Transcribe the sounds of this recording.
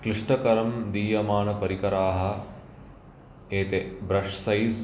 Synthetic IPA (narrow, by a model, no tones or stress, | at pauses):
kliʂʈɐkɐɾɐmd̪iːjɐmaːɳɐpɐɾikɐɾaːɦɐ̆ | eːt̪ebɾɐʂsɐjz